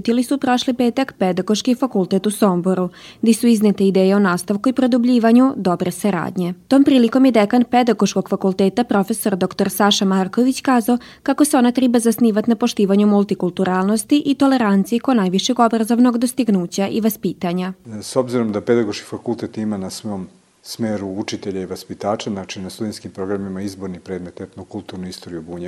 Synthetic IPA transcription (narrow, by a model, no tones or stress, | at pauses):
ut̪ilisupɾo̞ʃlipe̞ːt̪akped̪aɡo̞ʃkifakulˠt̪et̪uso̞mbo̞ɾuɡd̪isuiznet̪eid̪eːjeonaːst̪aʋkuipɾo̞d̪ubʎiːʋaɲud̪o̞bɾe̞saɾa̰ːd̪ɲe̞t̪o̞ːmpɾiːliko̞mjed̪ekanped̪aɡo̞ʃko̞ɡ̥fakulˠt̪eːt̪apɾo̞fe̞so̞ɾd̪o̞kt̪o̞ɾsaʃamaːɾko̞ʋit͡ɕkaːzao | kako̞seo̞nat̪ɾɛbazasniːʋat̪napo̞ʃt̪iːʋaɲumulˠt̪ikulˠt̪uɾaːlˠno̞st̪iʔit̪o̞le̞ɾant̪sijikonaːjʋiʃeɡo̞bɾazo̞ʋno̞ɡd̪o̞st̪iɡnuːt͡ɕaʔiʋaspiːt̪aɲasobziɾo̞md̪aped̪aɡoʃki̥fakulˠt̪et̪imanasʋoom | smeːɾuut͡ʃit̪eʎaiʋaspit̪aːt͡ʃaznat͡ʃinast̪ud̪enskimpɾo̞ɡɾamimaizbo̞ɾnipɾed̪met̪et̪nokulˠt̪uɾnuist̪oɾijubuːɲe